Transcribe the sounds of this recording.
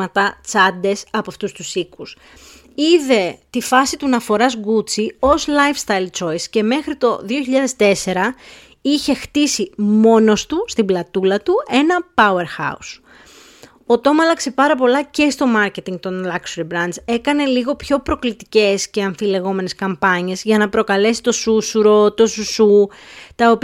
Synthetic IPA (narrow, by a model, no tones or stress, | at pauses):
ɐt̪ɐt͡sɐd̪e̞sɐpoɐft̪ust̪usikus | iðe̞t̪ifɐsit̪unɐfo̞ɾɐzɡut͡sio̞zlɐjfst̪ɐjlt͡ʃo̞jsce̞me̞xɾit̪o̞ðio̞çiʎɐðe̞st̪e̞se̞ɾɐ | içe̞xt̪isimo̞no̞st̪ust̪iblɐt̪ulɐt̪ue̞nɐpɐue̞ɾxɐ̰us | ot̪o̞mɐlɐkse̞pɐɾɐpo̞lɐce̞st̪o̞mɐɾce̞t̪iŋɡt̪o̞nlɐksoɾibɾɐnze̞kɐne̞liɣo̞pço̞pɾo̞klit̪ice̞sce̞ɐɱfile̞ɣo̞me̞ne̞skɐmpɐɲe̞zʝɐnɐpɾo̞kɐle̞si̥t̪o̞susuɾo̞t̪o̞susut̪ɐop